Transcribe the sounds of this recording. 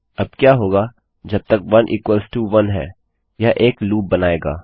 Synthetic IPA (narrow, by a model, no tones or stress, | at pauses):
ɐb̚kjaːɦoːɡaː | d͡ʒɐb̚t̪ɐkʋɐnʔḭːkʋəlsʈuːʋɐnɦɛ̰ː | jaʔeːkluːb̚ːɐnaːeːɡa̰ː